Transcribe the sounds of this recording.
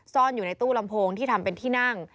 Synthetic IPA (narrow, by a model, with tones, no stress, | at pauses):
sɔː˥˩njuː˨˩na˧jt̪uː˥˩la˧mpʰoː˧ŋt̪ʰiː˥˩t̪ʰa˧mpe˧nt̪ʰiː˥˩na˥˩ŋ